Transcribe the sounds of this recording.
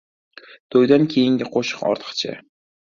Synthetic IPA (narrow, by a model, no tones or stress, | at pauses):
d̪̥ʰojd̪ankʲʰejɪŋɡʲɪqʰoʃɨ̥qɒ̰ɾt̪ʰɨ̥qt͡ʃʰɪ̰